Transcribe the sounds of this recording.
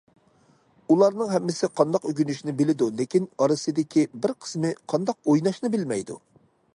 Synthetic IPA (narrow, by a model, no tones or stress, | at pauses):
ulˠɑɾnɨŋɦɛmːɪsɪqʰɑnd̪ɑqøɡʲynyʃinɪbɪlɪd̪ulɪkʲinɑɾɨsɨd̪ɪkʲʰibɪɾqʰə̥smɪqʰɑnd̪ɑq̚ojnɑʃnɨbɪlmɛjd̪ṵ